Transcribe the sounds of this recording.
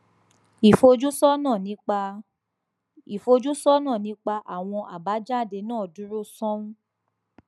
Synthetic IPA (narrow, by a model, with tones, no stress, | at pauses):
i˨fo˧d͡ʒu˦sɔ˦nã˦˨nĩ˨˦k͡pa˧ | i˨fo˧d͡ʒu˦sɔ˦nãː˦˨nĩ˨˦k͡pa˧ʔa˨w̃ɔ̃˧ʔa̰˨ba˨˦d͡ʒa˦˨de˧˦nãː˦˨du˨˦ɾu˦sɔ̃˦ũ˦